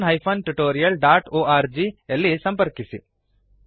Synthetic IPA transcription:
nɦaːjpʰonʈuʈoːɾijɐlɖaːʈoːaːɾd͡ʒielisɐ̃mpəɾkisi

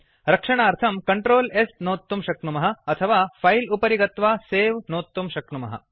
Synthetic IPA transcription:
ɾɐkʂɐɳaːɾt̪ʰɐmkɐɳʈɾoːlesnoːt̪ːumʃɐknumɐɦɐ̆ɐt̪ʰɐʋaːpʰɐjlupɐɾiɡɐt̪ʋaːseːʋnoːt̪ːumʃɐkɳumɐɦɐ̰

